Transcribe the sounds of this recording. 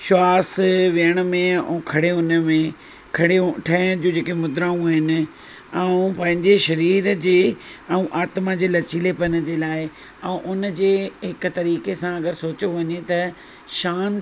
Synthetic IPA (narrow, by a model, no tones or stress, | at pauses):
ʃwaːsʋiəɽ̃̆mẽũkʰɐɽeʊnəmẽ | kʰɐɽeʈʰɐɪɽ̃d͡ʑũːd͡ʑeːkemʊd̪ɾaːũɦɪnɪ̆ | ɛũpɐ̃ɦɪ̃ɲd͡ʑeʃɐɾiːɾd͡ʑeːɛ̃ũʔaːt̪mad͡ʑeːlɐt͡ɕiːlepɐnəd͡ʑeːlaːɪ | ɛ̃ũʔʊnə̆d͡ʑeːɦɪkt̪ɐɾiːkesãɐɡəɾsoːt͡ɕoʋɐɲet̪ɐ | ʃaːn